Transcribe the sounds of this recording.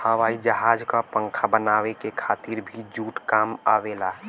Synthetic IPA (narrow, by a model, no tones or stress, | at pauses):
həʋaːid͡ʒəɦaːd͡ʒkapə̃ŋkʰabənaːwekekʰaːt̪iɾbʱid͡ʒuːʈkama̰ʋelaː